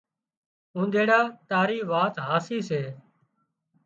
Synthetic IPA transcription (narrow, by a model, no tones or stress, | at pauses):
ũːnd̪eːɽaːt̪aːɾiːʋaːt̪ɦaːsiːseː